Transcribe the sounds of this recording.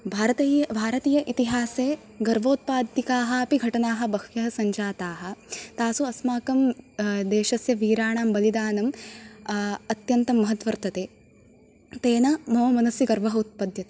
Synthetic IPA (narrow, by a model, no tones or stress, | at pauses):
bʱaːɾɐt̪ibʱaːɾɐt̪iːjɐʔit̪iɦaːseː | ɡɐɾʋoːt̪̚paːd̪ikaːɦɐ̆ɐpiɡʱɐʈɐnaːɦɐ̆bɐɦʋjɐɦɐsɐɲd͡ʒaːt̪aːɦɐ̆t̪aːsuɐsmaːkɐmd̪eːʃɐsjɐʋiːɾaːɳaːmbɐlid̪aːnɐm | ɐt̪jɐnt̪ɐmːɐɦɐt̪ʋɐɾt̪ɐt̪eː | t̪eːnɐmɐʋɐmɐnɐsjɐɡɐɾʋɐɦɐut̪̚pɐd̪ʱjɐt̪eː